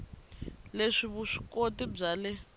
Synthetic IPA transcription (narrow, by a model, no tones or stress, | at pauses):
leʂiβuʂi̥kotib͡ʐalɛ